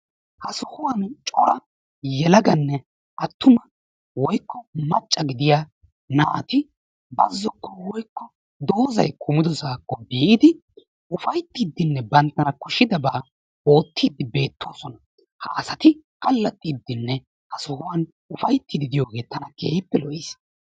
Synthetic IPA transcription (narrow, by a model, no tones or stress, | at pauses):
hɐsɔhʊwɐnt͡ʃʼɔɾɐ | jɛlɐɡɐnːɛ | ʔɐt̪ːʊmɐ | wɔjkːɔmɐt͡ʃʼːɐɡɪd̪ɪjaː | naːt̪ɪ | bɐzːɔkːɔwɔjkːɔ | d̪o̞ːzɐ̰jkʰʊmɪd̪ɔsaːkːɔbiːʔɪd̪ɪ | ʔʊfɐjt̪ːiːd̪ːɪnːɛbɐnt̪ːɐnɐkʊʃːɪd̪ɐbaː | o̞ːt̪ːiːd̪ɪbe̞ːt̪ːoːsɔnɐ | hɐ̰ʔɐsɐt̪ɪkɐlːɐt̪ʼːid̪ːɪnːɛ | hɐsɔhʊwɐn | ʊfɐjt̪ːɪd̪ɪd̪ɪjoːɡe̞ːt̪ɐnɐkḛːɪpːɛlɔʔis